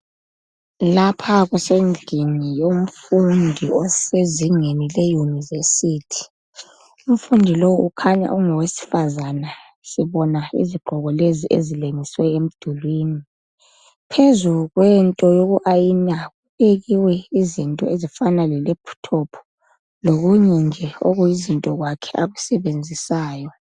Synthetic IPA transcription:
lapʰaɣusend͡ɮʱinijom̩fundʱiɔseziŋenilejunivesitʰi̥ | um̩fundʱilowʔukʰaɲa̰ʔuŋɔwesi̥fazana | siβɔnaḭziɡ͡ǃʱɔɣɔleziʔezileŋiswɛem̩d̥ʱulwini | pʰezuɣwɛntʼɔjoɣuʔajinaɣuβeɣiwɛizintʼɔezifanalɛlepʰu̥tʰɔpʰɔ̥ | loɣuɲɛnd͡ʒʱɛoɣujizintʼɔɣwakʰɛ̥ʔaɣusɛβend͡zʱisaːjɔ

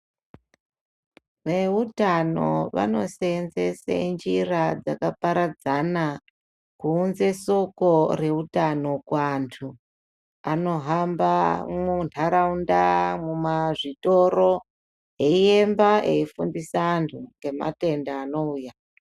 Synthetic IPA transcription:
ʋe̞utano̞̰ʋa̰no̞̰senzesa̰nd͡ʒirad͡zakapaɾad͡zana | kuːnze̞so̞ko̞re̞utano̞kwaːntʰu | ano̞ɦambamuntʰaɾaundamumaʐito̞ɾo | eijembaʔe̞ifundisaːntʰuŋɡe̞ma̰te̞ndaːno̞uːja

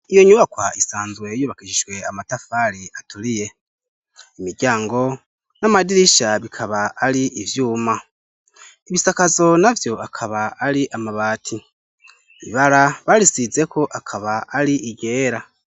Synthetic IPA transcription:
ijo̞ɲuβakwaisaːnzwe̞juːβakiʃiʒwe̞amatafaɾiatulije̞ | imiɾɟaːŋɡo̞ | namadiɾiʃaβikʰaβaːɾiʔivjuːma | iβisakazo̞navjo̞ʔakʰaβaːɾiʔamaβaːtʰi | iβaɾaβaɾisize̞kʰo̞ʔakʰaβaːɾiʔiɡe̞ːɾa

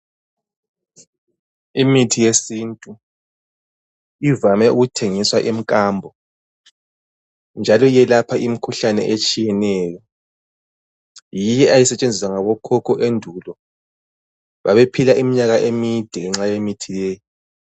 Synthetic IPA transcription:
imitʰijesintʼu | ivamɛʔuɣutʰeŋiswaʔim̩kʼaːmbʱɔ | nd͡ʒʱalɔjɛlapʰaimikʰuɬanɛ̰ʔet͡ʃʼijɛnɛːjɔ | jijɛajisɛt͡ʃʼend͡zʱis̬waŋaβɔkʰɔkʰɔʔendʱulɔ | βaβepʰilaʔimiɲaɣaʔemid̥ʱɛŋɛŋ͡ǁajemitʰilɛːji

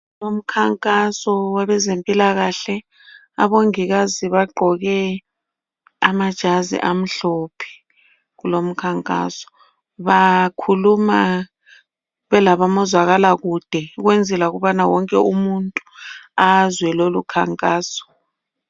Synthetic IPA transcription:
lom̩kʰaŋkʼasɔwaβɛzempʼilaɣaɬɛ | a̰βoŋiɣ̬aziβaɡ͡ǃʱɔɣɛ | amad̥ʒ̥ʱazḭʔam̩ɬopʰi̥ | ɣulom̩kʰaŋkʼa̰sɔ̥ | βakʰuluma | βɛlaβamɔzwaɣalaɣud̥ʱɛɣ̬wend͡zʱɛlaɣuɓanawɔŋkʼɛumuntʼuazwɛlolukʰaŋkʼaːsɔ̥

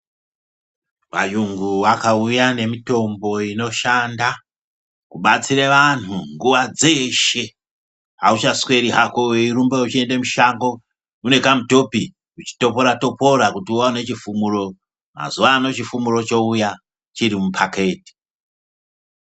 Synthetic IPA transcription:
ʋa̰juŋɡuʋakaujane̞mito̞mbo̞ino̞ʃanda | kuɓat͡sireʋan̤uŋɡuʋad͡ze̞ʃe̞ | ɦa̰ut͡ʃaswe̞ɾiɦakoeiɾumbeut͡ʃiendemuʃaŋɡo̞ | une̞kamuto̞pi | ut͡ʃi̥to̞po̞ɾato̞po̞ɾakutiuwaune̞t͡ʃifumuro̞ | ma̰zuʋaːno̞t͡ʃifumuro̞t͡ʃo̞uja | t͡ʃirimupʰake̞ːti̥

